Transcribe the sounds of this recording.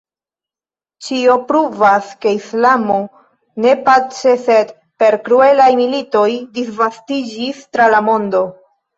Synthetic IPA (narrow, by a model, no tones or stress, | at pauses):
t͡ʃio̞pɾuvaske̞islamo̞ | ne̞pat͡ʃe̞se̞d | pe̞ɾkɾue̞lajmilito̞jdisvastid͡ʒistɾalamo̞ndo̞